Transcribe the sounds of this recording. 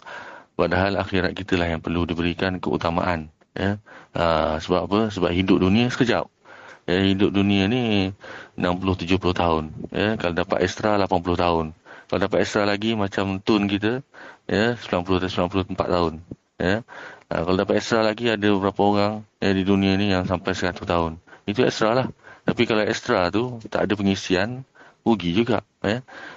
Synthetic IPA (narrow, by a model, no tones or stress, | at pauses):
padaɦalaxiɾat̪̚kit̪əlaɦjaŋpərludibəɾikankəṵt̪ama̰ʔan | jəəsəbapapəs̬əbap̚ɦidʊp̚dunĩasə̥kəd͡ʒa̰p̚jəhidʊp̚dunĩani | ənampulʊht̪ud͡ʒʊhpulʊht̪aʊnjəkalodapa̰t̪ɛst̪ɾalapanpulʊht̪aʊnkalodapat̪̚ɛst̪ɾalaɡimat͡ʃamt̪ʊnk̬it̪̬əjəspulanpulʊht̪spulanpulʊəmpat̪ːaʊn | jə̰kaladapat̪ɛst̪ɾalaɡiadəbəbəɾapəoɾaŋjədidunianijaŋsampajsəkat̪uht̪aʊnit̪uɛ̰st̪ɾalaht̪apikalaɛst̪ɾat̪ut̪a̰ʔadəp̬əŋisianuɡid͡ʒuɡa̰ʔ | jə